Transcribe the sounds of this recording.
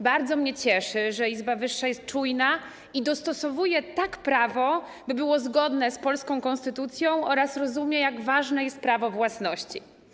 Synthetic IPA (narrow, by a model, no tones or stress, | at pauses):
baɾd̪zɔmɲɛt͡ɕɛʂɘʐɛizbavɘʂːajɛst̪̚t͡ʂujna | id̪ɔst̪ɔsɔvujɛt̪akpɾavɔ | bɘbɘwɔzɡɔd̪nɛspɔlskɔ̃w̃kɔ̃nst̪ɘt̪ut̪sʲjɔ̃w̃ʔɔɾasɾɔzumʲjɛjaɡvaʐnɛjɛst̪̚pɾavɔvwasnɔɕt͡ɕḭ